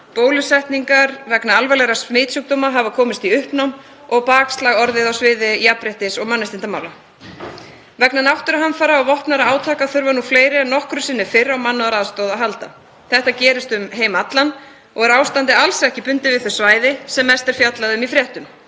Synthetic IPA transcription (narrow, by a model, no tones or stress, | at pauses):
poːwlʏsɛjht̪niŋkaɾvɛknaalvɛlɛɾasmɪːt̪suk̚t̪oːmaɦavakʰɔːmɪst̪iʏhpnawm | ɔɣpaːkst̪laɣɔɾðɪðawsvɪːðɪiapɾeht̪ɪsɔɣmanːɪst̪ɪnt̪amaːwla | vɛknanawht̪ʏɾaɦanfaɾaawvɔhpnaɾaaːwt̪ʰaːkaθʏɾvanufleːjɾɪɛnːɔhkɾʏsɪnːʏfɪɾawmanːʏaɾaðst̪ɔwðaɦalt̪a̰ | θɛht̪acɛːɾɪst̪ʏmɦeːjmaat̪lan | ɔɣɛɾaːwst̪ant̪ɪalsɛhcɪpʏnt̪ɪvɪðθœ̥svaːjðɪsɛmɛst̪ɛɾ̥fjat̪laðʏmifɾjɛht̪ʏm